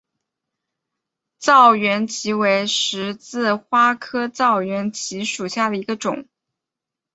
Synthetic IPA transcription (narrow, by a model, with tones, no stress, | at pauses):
t͡sɑ˥˩ʊɥɛ˧˥nt͡ɕʰi˧˥we˧˥ɪʂɻ̩˧˥t͡sɹ̩˥˩xwa˥kʰɤ˥t͡sɑ˥˩ʊɥɛ˧˥nt͡ɕʰi˧˥ʂu˨˩ɕja˥˩d̪ə˩i˧˥ɡə˧ʈ͡ʂʊ̰˨˩˦ŋ